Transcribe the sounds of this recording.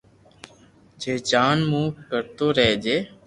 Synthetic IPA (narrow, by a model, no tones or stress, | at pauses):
d͡ʒeːd͡ʒaːnmũːkəɾt̪oːɾeːd͡ʒeː